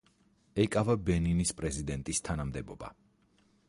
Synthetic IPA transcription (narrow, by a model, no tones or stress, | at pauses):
ɛkʼavabɛninispʼɾɛzid̪ɛnt̪ʼist̪ʰanamd̪ɛbɔba̰